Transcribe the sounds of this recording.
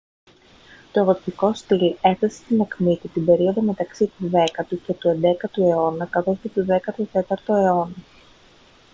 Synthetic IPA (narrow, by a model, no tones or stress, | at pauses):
t̪o̞votiko̞st̪ile̞fθesest̪inɐkmit̪it̪ibe̞ɾio̞ðo̞me̞t̪ɐksit̪uðe̞kɐt̪uce̞t̪ue̞nd̪e̞kɐt̪ue̞o̞nɐkɐθo̞scet̪uðe̞kɐt̪ut̪e̞t̪ɐɾt̪o̞e̞o̞nɐ